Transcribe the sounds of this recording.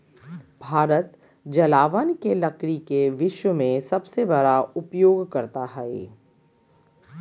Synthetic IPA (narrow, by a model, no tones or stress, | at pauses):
bʱaːɾət̪ | d͡ʒɐlaːʋənkelɐkɽikeʋɪʃwəmẽsɐbsebɐɽaʊpjoːɡkɐɾt̪aɦɛḛː